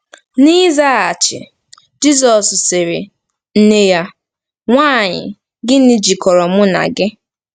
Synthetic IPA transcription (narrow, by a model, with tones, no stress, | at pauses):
ni˦za˦˨a˨t͡ʃɪ̰˨ | d͡ʒi˦zɔ˨ssɪ˨ɾɪ̰˨ | n̩˦ne˦ja˦ | ŋʷaː˦˨ɲɪ̰˨ | ɡɪ˦ni˨d͡ʒi˨kɔ˨ɾɔ˨mʊ˦na̰˨ɡɪ˦